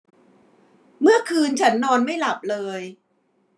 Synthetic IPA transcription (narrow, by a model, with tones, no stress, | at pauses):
mɯ˥˩ɐkʰɯː˧nt͡ɕʰa˦˥nːɔː˧nma˥˩jla˨˩p̚lɤː˧j